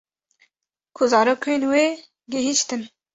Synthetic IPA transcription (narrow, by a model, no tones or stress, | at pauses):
kʰuzɑːɾokʰoenweː | ɡeɦiʃt̪ɨn